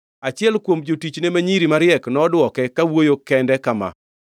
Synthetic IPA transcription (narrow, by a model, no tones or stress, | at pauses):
at͡ʃɪɛlkwomd͡ʒotit͡ʃnemaɲiɾimaɾɪɛknɔdwɔkɛkawojokɛndɛkama̰